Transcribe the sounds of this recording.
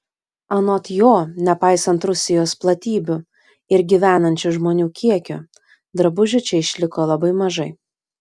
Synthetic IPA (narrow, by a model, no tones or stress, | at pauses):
ɐnoːt̪joːnʲɛpɑˑɪsɐnt̪ɾʊsʲɪjoːsplˠɐt̪ʲiːbʲʊ | ɪɾɡʲiʋʲæːnɐnʲt͡ʃʲʊʒmoːnʲuːkʲiɛkʲʊ | d̪ɾɐbʊʒʲʊt͡ʃʲɛɪʃʲlʲɪkoːlˠɐbɐɪmɐʒɐɪ